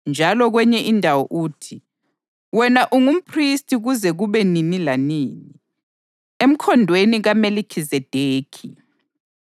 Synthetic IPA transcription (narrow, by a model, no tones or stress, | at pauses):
nd͡ʒʱalɔɣwɛɲɛʔindʱawɔʔuːtʰi | wɛnaʔuŋum̩pʰristʰʼiɣuzɛɣuβɛninilaniːni | em̩kʰɔndʱweniɣamelikʰizɛd̥ʱeːkʰi